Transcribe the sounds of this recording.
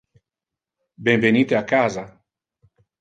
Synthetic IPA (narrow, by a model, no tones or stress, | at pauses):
benvenit̪eakaza